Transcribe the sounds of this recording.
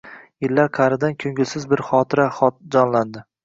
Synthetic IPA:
jɪlːaɾqʰɑɾɪd̪ankʲʰɵŋɡʲɪlsɪzbɪɾχɒt̪ʰɪɾaχɒt̪̚d͡ʒɒnland̪ɪ

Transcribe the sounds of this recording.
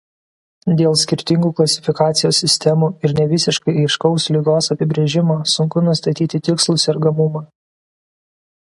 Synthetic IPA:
d̪ʲeːlˠsʲkʲɪɾʲt̪ʲɪŋɡuːklˠɐsʲɪ̥fʲɪkɑːt̪sʲɪjoːsʲːɪsʲt̪ʲɛmuːɪɾnʲɛʋʲɪsʲɪʃkɐɪɪʃkɐʊslʲɪɡoːsɐpʲɪbʲɾʲeːʒʲɪmoːsʊŋkʊnʊst̪ɐt̪ʲiːt̪ʲɪt̪ʲɪkslˠʊsɛɾɡɐmʊmɑː

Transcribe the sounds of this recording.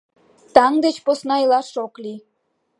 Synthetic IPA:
t̪ɑŋd̪et͡ɕposnɑjilɑʃokli

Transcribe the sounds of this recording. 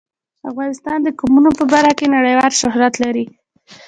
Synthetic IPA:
afɣɑnɪst̪ɑnd̪əkumunopəbaɾxakenaɽəjwɑlʃʊhɾat̪laɾi

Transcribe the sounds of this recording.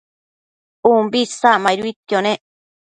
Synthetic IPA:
umbisamajɾuit̪jonẽ

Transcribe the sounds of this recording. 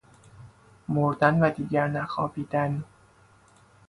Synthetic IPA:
moɾd̪ænvæd̪iːɟæɾnæxɒːbiːd̪æn

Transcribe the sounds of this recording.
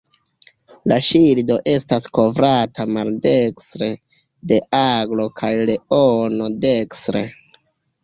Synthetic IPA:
laʃildo̞ʔe̞stasko̞vɾatamalde̞kstɾe̞ | de̞ʔaɡlo̞kʰajle̞ono̞de̞kstɾe

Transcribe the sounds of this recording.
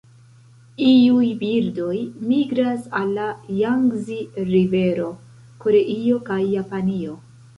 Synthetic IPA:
iujbiɾdo̞jmiɡɾasalːajaŋɡziɾive̞ɾo̞ | ko̞ɾe̞ʔio̞kajːapanio̞

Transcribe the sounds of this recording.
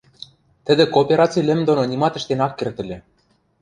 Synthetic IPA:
t̪ɘ̆d̪ĕkoːpʲeɾɑt͡silʲɘ̆md̪ononʲimɑt̪ɘ̆ʃt̪enɑkːert̪ɘ̆lʲĕ

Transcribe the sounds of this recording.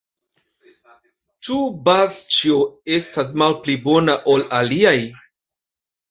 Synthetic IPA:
t͡ʃubazt͡ʃioe̞stas̬malplibo̞naʔo̞laliaj

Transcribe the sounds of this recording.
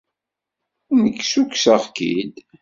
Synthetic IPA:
nəkːsuksəʁkḭd̪

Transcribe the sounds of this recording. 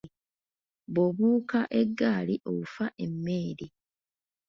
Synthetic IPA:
βoβuːkaʔeɡːaːliʔo̞̰ɣufaʔe̞mːeːɾi

